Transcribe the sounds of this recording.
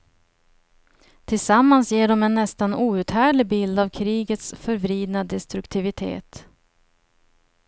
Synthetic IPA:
t̪ʰɪlsamːansjeːɖɔmɛnːɛst̪anuːʉ̟ːt̪hæːɖɭɪbɪld̪avkʰɾiːɡət̪sfœɾvɾiːd̪nad̪ɛst̪ɾɵkt̪ʰɪvɪt̪ʰḛːt̪

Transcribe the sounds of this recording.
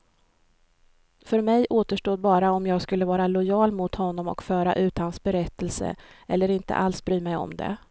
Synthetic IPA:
fœɾmɛjʔoːt̪əʂʈoːd̪̚bɑːɾaɔmjɑːɡskɵlːəvɑːɾalʊjɑːlmʊt̪hɔnːɔmɔ̰kfœːɾaʔʉ̟ːt̪hansbɛɾɛt̪ʰːɛlsə̰ʔɛlːəɾɪnt̪ə̰ʔalsbɾyːmɛjɔ̰md̪ɛ̰

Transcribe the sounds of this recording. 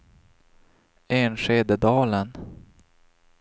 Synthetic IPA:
eːnʂeːd̪əd̪ɑːlən

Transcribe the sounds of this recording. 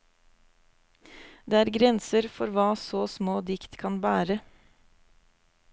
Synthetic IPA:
d̪eːæːɾɡɾɛnsəɾfɔɾʋɑːsoːsmoːd̪ɪkt̪kʰɑnbæːɾə

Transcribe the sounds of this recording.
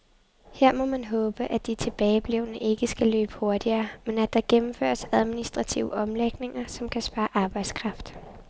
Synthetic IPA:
heɐ̰mɒ̽mænɦɔ̽ːb̥əʔæd̥it͡sʰe̝b̥ɛːɪb̥leʊnəʔe̝ɡ̥əsɡ̥ælø̰ːb̥ə̥ho̝ɐd̥iɐːmenæd̥ɑ̈ɡ̥emm̩fø̰ːɐsæð̞ˠminisd̥ʁɑ̈t͡sʰḭʊəʔɒ̽mleɡ̥ne̝ŋɐsɒ̽mkʰæsb̥ɑ̈ːɑʔɑ̈ːb̥ɑ̈ɪ̰d̥skʰʁɑ̈fd̥

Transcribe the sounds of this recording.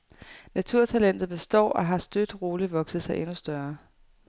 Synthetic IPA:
næt͡sʰuɐ̰t͡sʰælen̰d̥ð̩ˠb̥e̝sd̥ɒ̰ːɒ̽ɦɑ̈sd̥ød̥ʁoːliʋɒ̽ɡ̥sð̩ˠsɑ̈ɪʔe̝nusd̥ɶɐ

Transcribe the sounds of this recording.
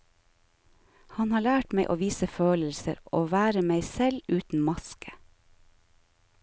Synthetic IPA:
hɑnhɑːɭæːʈmeɪʔo̰ːʋiːsəføːləl̩sə̰ɾoːʋæːɾəmeɪsɛlʉːt̪n̩mɑskʰə̥

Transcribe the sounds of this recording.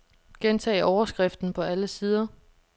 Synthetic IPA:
ɡ̥ent͡sʰɛ̰ːʔɒʊɐsɡ̥ʁɛfd̥n̩pʰɒ̽æləsiːð̞ˠɐ

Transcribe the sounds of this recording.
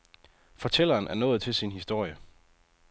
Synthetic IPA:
fɒ̽t͡sʰel̰ɐːnʔæɐnɔ̽ːð̩ˠt͡sʰe̝lsinɦisd̥o̝ɐ̰jə

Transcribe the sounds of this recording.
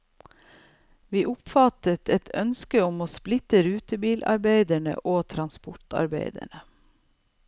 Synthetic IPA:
ʋiːʔʊpfɑt̪ət̪ʰɛt̪ʰœ̰nskəʊmoːsplɪt̪əɾʉːt̪əbiːlʔɑ̰ɾbeɪd̪əɳə̰ʔoːt̪ʰɾɑnspʊʈɑ̰ɾbḛɪd̪ə̰ɳə

